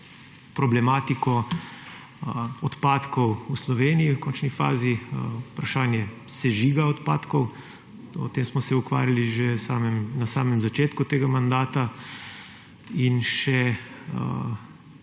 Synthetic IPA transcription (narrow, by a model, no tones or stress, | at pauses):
pɾɔblɛmaːt̪ikɔ | ɔt̪paːt̪kɔwuslɔʋeːniiwkɔnt͡ʃnifa̰ːziupɾaʃaːnjɛ | sɛʒiɡaɔt̪paːt̪kɔw | ɔ̰t̪eːmsmɔsɛukʋa̰ːɾjaliʒesaːmɛmnasaːmɛmzat͡ʃeːt̪kut̪eːɡamand̪aːt̪a | inʃɛə̰